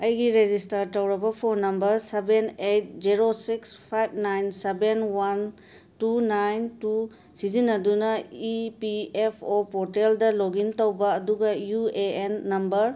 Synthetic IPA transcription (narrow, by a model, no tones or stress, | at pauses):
ɐjɡiɾed͡ʒistɐɾtɐwɾɐbɐpʰoɾnɐmbɐɾsebenet̚d͡ʒiɾosikspʰajb̚ʰnajnsebenwan | tunajntu | sizinɐdunɐipiepʰopoɾteldɐloɡintɐwbɐːduɡɐjueenːɐmbɐɾ